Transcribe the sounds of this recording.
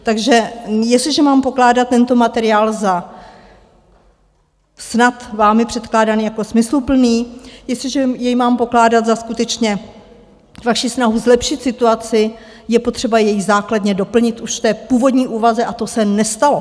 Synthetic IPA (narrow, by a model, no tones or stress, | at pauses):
t̪aɡʒɛjɛslɪʒɛmaːmpo̞klaːdat̪̚tːɛnt̪o̞mat̪ɛɾɪaːlza | snat̪vaːmɪpr̥ɛt̪klaːdaniːjakosmɪslupl̩niːjɛstlɪʒɛjɛjmaːmpo̞klaːdat̪zaskut̪ɛt͡ʃɲɛ | vaʃisnaɦuzlɛpʃɪt̪sɪt̪uat͡sɪ | jɛpo̞t̪r̝̥ɛbajɛjzaːkladɲɛdo̞pl̩ɲɪt̪ʔuʃft̪ɛːpuːvo̞dɲiːʔuːvazɛʔat̪o̞sɛnɛst̪alo̞